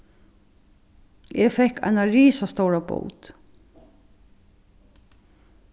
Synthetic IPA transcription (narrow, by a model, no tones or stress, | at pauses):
ɛfɛhka̰ɪnaɹiːsast̪owɹabo̰wt̪